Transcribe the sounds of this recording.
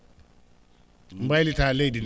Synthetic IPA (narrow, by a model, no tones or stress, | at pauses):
m̩balitaledin